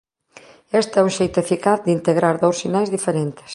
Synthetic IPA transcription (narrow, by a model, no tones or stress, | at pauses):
est̪ɛuŋʃejt̪ʊefikaθðint̪eɣɾaɾðowssinajzðifeɾent̪ɪ̥s